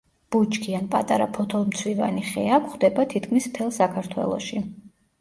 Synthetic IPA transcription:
b̥ut͡ʃʰʼkʰianpʼat̪ʼaɾapʰɔt̪ʰɔlˠmt̪sʰwiva̰niχɛakʷʰχd̪ɛbat̪ʰit̪kʰmispʰɛlˠsakʰaɾt̪ʰwɛ̰lˠɔ̰ʃi

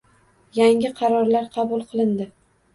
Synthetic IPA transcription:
jaŋʲɪqʰɑɾɒɾlaɾqʰɑbʊlˠqʰɨlˠɪnd̪ɪ

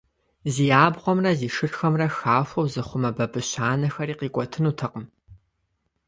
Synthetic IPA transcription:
ziːjaːbʁʷɔmrɐziːʂɨrxɐmrɐxaːfʷɐwzɨχʷʊmɐbɐbɨɕaːnɐxɐɾiːqiːkʷʼɔtʰɨnuːtʰɐqəm

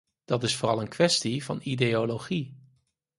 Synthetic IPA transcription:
d̥ɑtɪsfʊːrɑlˠənkʋɛstivɑ̰nideoloχi

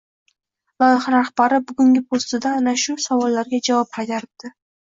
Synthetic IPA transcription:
lˠɒjɪχɾahbaɾɪbʊɡʊŋʲɪpʰost̪ɪd̪aːnaʃʊsavɒlˠːaɾɡʲad͡ʒavɒp̚hɑt̪ʰaɾɪd̪̥ɪ

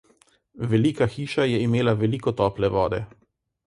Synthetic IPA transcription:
ʋɛliːkaxiːʃajɛimeːlaʋɛliːkɔt̪ɔːplɛʋɔːd̪ɛ

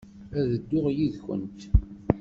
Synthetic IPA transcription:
æðəd̪ːʊʁjiðçə̰nt̪

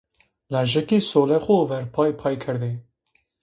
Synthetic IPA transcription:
laʒɛkesoːlɛxovɛɾpʰɑːjpʰɑːjkʰəɾd̪e

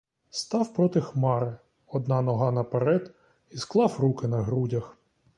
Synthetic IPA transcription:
st̪ɑwpɾɔt̪ɪxmɑɾɪ | ɔd̪nɑnɔɦɑnɐpeɾɛd̪ | isklˠɑwrukɪnɐɦɾudʲɐx

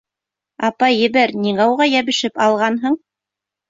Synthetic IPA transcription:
ɑpɑjːɘ̆βæɾnʲiŋɑwʁɑjæβɘ̆ʃɘpɑlˠʁɑnɦɤɴ

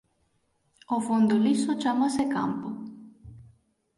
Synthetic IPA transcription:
ofond̪ulisot͡ʃamaseka̰mpu

